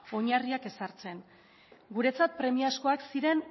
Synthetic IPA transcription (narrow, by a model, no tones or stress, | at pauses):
o̞ɲariake̞saɾt͡se̞n | ɡuɾe̞t͡sat̪̚pɾe̞miasko̞aksiɾe̞n